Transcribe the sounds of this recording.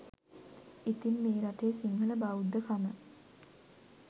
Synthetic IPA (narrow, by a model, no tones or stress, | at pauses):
it̪inmeːɾaʈejsiŋɡələbaud̪ːəkʰamə